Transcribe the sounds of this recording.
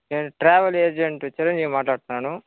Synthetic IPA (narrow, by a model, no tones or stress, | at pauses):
eʈɾaːʋɐleːd͡ʒeɳʈt͡ʃiɾɐɲd͡ʒiːʋimaːʈlaːɽut̪unːaːnu